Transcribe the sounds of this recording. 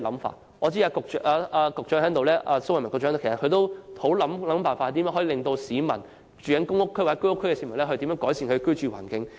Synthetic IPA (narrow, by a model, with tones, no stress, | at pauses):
lɐ˨˧˥mfa̰ː˧ | ŋɔː˨˧t͡si˥aː˧kʊ˨k̚t͡ʃːʔaː˧ʔaː˧kʊ˨k̚t͡ʃœː˨˥hɛː˨˥ŋt̪o˨wlɛː˥ʔaː˧so˥wɐ˨jmɐ˨˩k̚t͡ʃœː˧˥o˧kʰskʰɵ˧t̪o˥who˨˥wlɐ˨˧mlɐ˨˥mfaː˨˧fa˧˨t̪iː˨mjœ˧˥ŋhɔ˨˥i˧lɪ˨ŋt̪o˧wsiː˨˧mɐ̰˨˩n | t͡ʃyː˨˩jɐ˨˥ŋkʊ˥ŋʊ˥kʰːwa˨˩ɛ˦˥kɵ˥jʊ˥kʰːjkɛ˧siː˨mɐ˨˩nlɛː˥hʰt̪iː˨˧˥mœː˧˥ŋkɔː˨˥jsiː˧nkʰɵ˧kt͡ʃyː˨wa̰ː˨˩nkɪ˨˧ŋ